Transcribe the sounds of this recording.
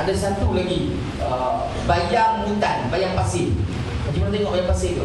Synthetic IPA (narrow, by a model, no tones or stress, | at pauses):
adasat̪ulaɡi | ə | bajaŋməint̪anbajaŋpasɪŋ | mad͡ʒumant̪eŋɔʔbajaŋpasɪŋt̪u